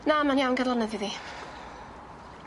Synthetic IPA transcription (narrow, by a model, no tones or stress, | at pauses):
namanjawnɡadlˠɔnɛðiði